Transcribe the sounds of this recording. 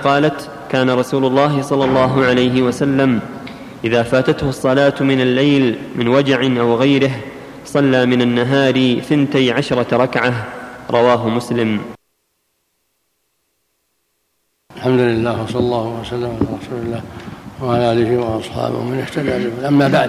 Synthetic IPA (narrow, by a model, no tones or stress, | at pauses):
qɑːlat̪ | kaːnaɾˤɑsuːlʊlˤːɑːɦɪsˤɑlːɑlˤːɑːɦʊʕalajɦɪwasalːam | ʔɪðaːfaːt̪at̪hʊsˤːɑlaːt̪mɪnalːajlmɪnwad͡ʒaʕɪnʔawɣajɾɪɦ | sˤɑlːaːmɪnanːaɦaːɾɪθɪnt̪ajʕaʃɾˤɑɾˤɑkʕaɾˤɑwaːɦʊmʊslɪm | ʔalħamd̪ʊlɪlːaːhwɑsˤɑlɑlˤːɑːhʊasalːamʕalaːɾˤɑsuːlɪlːaːwaʕalaːalɪhɪwɑɑsˤħɑ̰ːbʊ̰hmɪnɪħt̪ad̪aːlɪʔamːaːbaʕ